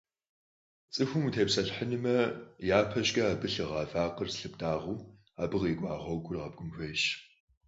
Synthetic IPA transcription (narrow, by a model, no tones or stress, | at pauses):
t͡sʼɨxʷʊmutʰeːpsɐɬħənɨmɐjaːpʰɐʑɡʼɐaːbɨɬɨʁɑːvaːqərsɬɨptʰʼaːʁuː | aːbɨʁiːɡʷʼɑːʁʷɐwɡʷʼʊrʁɐb̚ɡʷʊmxʷeːɕ